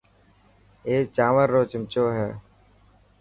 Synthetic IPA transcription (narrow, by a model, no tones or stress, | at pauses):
eːt͡ʃaːʋəɾːoːt͡ʃɪmt͡ʃoːɦɛː